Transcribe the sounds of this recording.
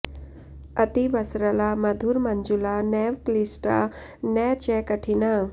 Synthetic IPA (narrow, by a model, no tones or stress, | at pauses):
ət̪iʋəsɾəlaməd̪ʱuːɾməɲd͡ʒulanɛʋklisʈa̰ | nɛt͡ɕɛkəʈʰina